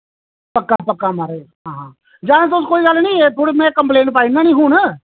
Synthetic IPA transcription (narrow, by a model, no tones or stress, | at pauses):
pəkːapəkːamaɾeː | ɦãːɦãː | d͡ʒaːɽ̃ẽt̪̬oʊs̬koːiɡɐlnəĩːet̪ʰoːɽimɛ̃kəmpleːɳʈpaːinanĩːɦuːn